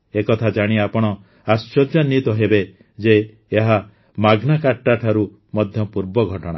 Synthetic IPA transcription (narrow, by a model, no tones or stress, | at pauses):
ekɔt̪ʰad͡ʒaɽ̃iapɔɽ̃ɔ | ast͡ʃɔd͡ʒjanit̪ɔɦebe | d͡ʒeː | ɦa | maɡnakaʈːaʈʰaɾu | mɔd̪ʱjɔpuɾbɔɡʱɔʈɔɽ̰̃